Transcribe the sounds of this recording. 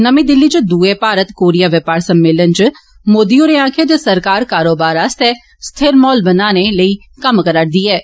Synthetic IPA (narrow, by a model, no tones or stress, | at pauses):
nəmĩːd̪ɪlːiːt͡ʃd̪uːeːpaːɾət̪koːɾijaːʋɪpaːɾsəmːɪːlənt͡ʃ | moːd̪ioːɾeːãːkʰeːd͡ʒ̪esəɾkaːɾkaːɾoːbaːɾast̪ɛː | st̪ʰeɾmɔːlbənaːneləiː | kəmkəɾəʈ̚d̪iːɛː